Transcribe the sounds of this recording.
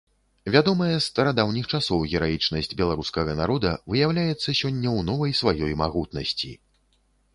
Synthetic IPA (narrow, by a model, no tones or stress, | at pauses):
vʲad̪ɔmɐjɛst̪ɐɾad̪awnʲixt͡ʂasɔwɣʲɛɾajit͡ʂnɐsʲd͡zʲbʲɛlˠaɾuskɐɣɐnaɾɔd̪ɐvɨjawlʲajɛt̪sːɐsʲɔnʲːɐwnɔvɐjsvajɔjma̰ɣut̪nɐsʲt͡sʲḭ